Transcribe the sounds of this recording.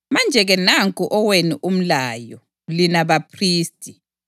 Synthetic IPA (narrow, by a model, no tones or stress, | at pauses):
mand͡ʒʱɛɣɛnaŋkʼuʔɔweniʔum̩laːjɔ | linaβapʰriːstʼi